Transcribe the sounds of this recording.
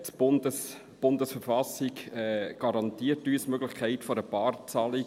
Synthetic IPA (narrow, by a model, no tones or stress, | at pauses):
tb̥ʊndəs | b̥ʊndəsfəɾfɑsikɛɡ̥ɑɾɑntiːəɾtyːsmøɡlɪχkʰæɪtfɔɾəpɑːrt͡sɑli